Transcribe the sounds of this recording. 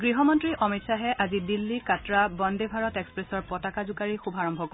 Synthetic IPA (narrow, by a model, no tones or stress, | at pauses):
ɡɹiɦɔmɔntɹiʔɔmitsaɦɛʔazidilːikatɹabɔndebʱaɹɔtekspɹesɔɹpɔtakazukaɹixubʱaɹɔmbʱɔko